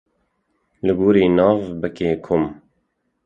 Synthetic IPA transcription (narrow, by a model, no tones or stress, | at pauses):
lɨɡuːɾiːnɑːvbɨkeːkʰʊm